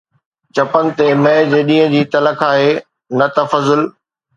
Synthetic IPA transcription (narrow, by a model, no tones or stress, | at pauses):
t͡ɕɐpənɪ̆t̪emẽːd͡ʑeːɗĩːɦə̃d͡ʑiːt̪ɐləkʰaːɦeː | nɐt̪ɐfɐzʊl